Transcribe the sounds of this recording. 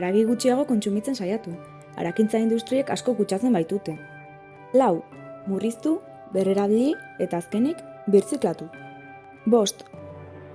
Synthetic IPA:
aɾaɣiɣ̞ut͡ʃiaɣ̞o̞ko̞nt͡sumit͡se̞nsajat̪u | a̰ɾakint͡saind̪ust̪ɾiekasko̞kut͡ʃat͡se̞mbajt̪ut̪e̞ | law | murist̪u | be̞reɾaβlie̞t̪aːske̞nik | biɾt͡siklat̪u | bo̞st̪

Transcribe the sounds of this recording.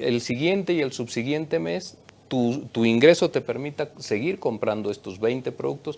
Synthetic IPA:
ḛlsiɣje̞nt̪e̞ie̞lsuβsiɣje̞nt̪e̞me̞st̪ut̪uiŋɡɾe̞so̞t̪e̞pe̞ɾmit̪ase̞ɣiɾko̞mpɾand̪oe̞st̪o̞zβejnt̪e̞pɾoðuk̚t̪o̞s

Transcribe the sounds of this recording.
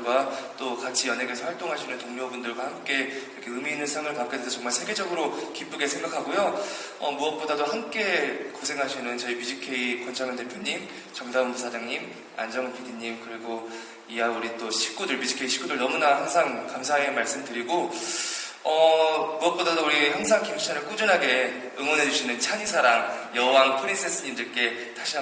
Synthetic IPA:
ɡwat͈okat͡ɕʰijʌnɦeɡesʰʌɸwaɭt͈oŋɦaɕʰinɯntoŋɲobundɯɭɡwahamk͈e̞iɾʌkʰe̞ɯmiːnɯnsʰaŋɯɭkap̚k͈edesʰʌt͡ɕʌŋmaɭsʰe̞ɡe̞d͡ʑʌɡɯɾokip͈ɯɡe̞sʰe̞ŋɡakʰaɡojo | ʌmuʌt̚p͈odadohamk͈e̞kosʰe̞ŋɦaɕʰinɯnt͡ɕʌipid͡ʑikʰe̞ikwʌnt͡ɕʰaŋɯnte̞pʰjoɲim | t͡ɕʌŋdaɯnmusʰad͡ʑaŋɲim | a̰nd͡ʑʌŋɯnpʰidiɲimkɯɾiɡo | iauɾit͈oɕʰi̥k͈udɯɭpid͡ʑikʰeiɕʰi̥k͈udɯɭnʌmunahaŋsʰaŋkamsʰae̞maɭs͈ɯmdɯɾiɡo | ʌmuʌt̚p͈odadouɾiçjaŋs̬ʰaŋkʰimʰi̥t͡ɕʰanɯɭk͈ud͡ʑunɦaɡe̞ | ɯŋwʌnɦe̞d͡ʑuɕʰinɯnt͡ɕʰaɲisʰaɾaŋjʌɦwaŋpʰɯɾins͈es͈ɯɲimdɯɭk͈e̞ | taɕʰia

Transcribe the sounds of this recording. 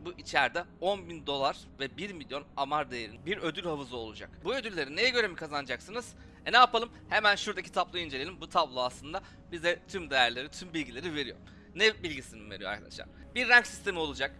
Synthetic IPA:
buʔit͡ʃʰæɾd̪ɛo̞nbind̪o̞lˠaɾ | vɛbiɾmilʲjo̞namaɾd̪ejeɾinbiɾø̞d̪ylʲhavɯzɯo̞̰lˠud͡ʒa̰kbuø̞d̪ylʲːe̞ɾinejɛɟø̞ɾe̞mikʰazanɯd͡ʒaksɯnɯz̥ | nɛapʰalˠɯmhemænʃuɾd̪acʰi̥t̪ʰaplˠɯind͡ʒelʲe̞lʲimbut̪ʰablˠoaslˠɯnd̪a | bizɛt̪ʰymd̪e̞jæɾlʲe̞ɾit̪ʰymbilʲɟilʲe̞ɾive̞ɾijo̞̰ɾ | nɛbilʲɟisininveɾijo̰a̰ɾkʰa̰d̪a̰ʃa̰n | biɾːɛɲcsi̥st̪ʰe̞mio̞lˠud͡ʒak

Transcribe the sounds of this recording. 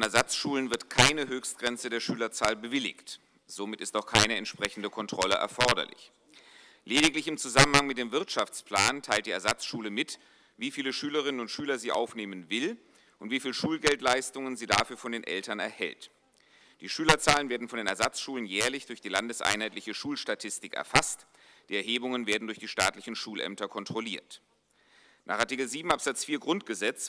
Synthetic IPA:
ɔnɛɐzat͡sʃuːlənvɪɐtkʰaɪnəɦøːçst̚ɡ̥ʁɛnt͡sədeːɐʃyːlɐt͡saːlbəvɪlɪ̰çt | z̥oːmɪtɪstaʊxkʰaɪnəɛntʃpʁ̥ɛçn̩dəkʰɔntʁ̥ɔləʔɛ̰ɐfɔɐdɐ̰lɪ̰ç | leːɾɪklɪçɪmt͡suzamənhaŋmɪt̚d̥eːmvɪɐtʃaft͡spl̥aːntʰaɪltd̥iːɛɐzat͡sʃuːləmɪt | viːfiːləʃyːləʁ̞ɪnənʊntʃyːlɐziːʔa̰ʊfneːmənvɪl | ʔʊntv̥iːfiːlʃuːlɡɛltlaɪstʊŋənziːdaːfyːɐfɔndeːnʔɛ̰ltɐnɛ̰ɐhɛ̰lt | d̥iːʃyːlɐt͡saːlənveːɐdn̩fɔndeːnɛɐzat͡sʃuːlənjɛːɐlɪçd̥ʊɐçd̥iːlandəsʔa̰ɪnhaɪtlɪçəʃuːlʃtatʰɪstɪkɛ̰ɐfast | d̥iːɛɐɦeːbʊŋənveːɐdn̩dʊɐçd̥iːʃtaːtlɪçn̩ʃuːlʔɛ̰mtɐkʰɔntʁ̥oliːɐt | nʔaːχʔaɐtɪkl̩ziːbm̩apz̥at͡sfiːɐɡʁʊntɡ̥əzɛt͡s

